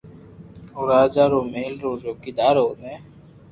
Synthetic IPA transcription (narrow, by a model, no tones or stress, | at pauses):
ʊɾaːd͡ʒaːɾoːmeːlɾoːzoːkid̪aːɾɦoːnẽː